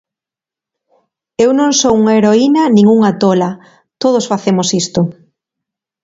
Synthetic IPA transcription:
ewnõŋsowuŋaeɾoinɐnĩŋuŋat̪olɐ | t̪oð̞osfaθemosist̪ʊ

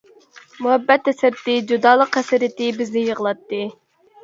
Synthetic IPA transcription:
muhɛbːɛt̪ːɛsɪɾt̪ɪd͡ʒud̪ɑːlˠəqːæsɪɾɪt̪ɪbɪznɪjəʁəlˠɑt̪ːɨ

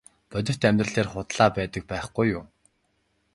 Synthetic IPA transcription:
pœt̪ʲɪ̆w̥t̪æmʲt̪rə̆ɮeːrχʊt̪ɮaːpæːt̪ə̆k̚pæːχɡujʊm

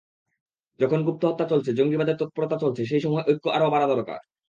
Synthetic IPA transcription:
d͡ʑɔkʰonɡup̚t̪oɦɔt̪ːat͡ɕolt͡ɕʰed͡ʑoŋɡibad̪eɾt̪ɔt̪̚poɾot̪at͡ɕolt͡ɕʰeʃ̬ejʃɔmoeʔojkːoaɾobaɾad̪ɔɾoka̰ɾ

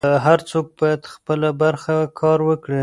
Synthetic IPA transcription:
ɦaɾt͡sok̚bɑjad̪xpəlabaɾxakʰɑɾwəkɽi

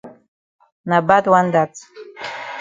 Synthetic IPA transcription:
nabadwandat͡sʰʼ

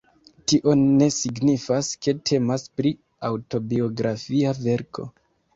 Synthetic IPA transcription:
tiʔo̞ne̞siɡnifaske̞tʰe̞maspɾi | awto̞bio̞ɡɾʔafiave̞ɾkʰo̞̰

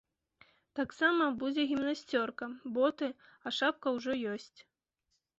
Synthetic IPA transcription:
t̪aksamɐbud͡zʲɛɣʲimnasʲt͡sʲɔrkɐbɔt̪ɨ | ɐʂap̚kɐwʐɔjɔsʲt͡sʲ

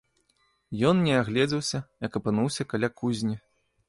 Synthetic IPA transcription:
jɔnnʲɛaɣlʲɛd͡zʲɐwsʲɐjɐkɐpɨnuwsʲɐkalʲakuzʲnʲi

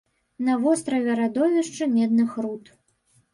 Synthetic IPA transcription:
nɐvɔst̪ɾɐvʲɛɾad̪ɔvʲɛʂt͡ʂɨmʲɛd̪̚nɨxɾut̪

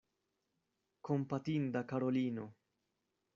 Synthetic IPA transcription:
kompat̪ind̪akaɾoliːno

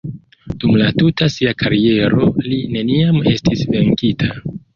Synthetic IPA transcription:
d̥umlatutasiakʰaɾie̞ɾo̞line̞niame̞stisve̞ŋkitʰa

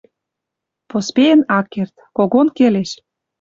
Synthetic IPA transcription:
pospeə̆nɑkːert̪koɣonkeleʃ

